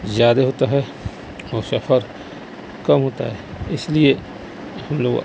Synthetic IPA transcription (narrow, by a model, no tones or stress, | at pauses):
zjaːd̪eɦoːt̪aɦɛ | ɔːɾsɐpʰəɾ | kɐmɦoːt̪a̰ɦɛːɪslie | hɐmloːɡ